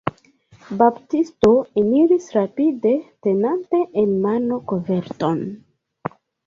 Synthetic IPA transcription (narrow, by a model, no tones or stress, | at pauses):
babtisto̞eniɾisɾapide̞te̞nante̞ʔenmano̞kove̞ɾto̞n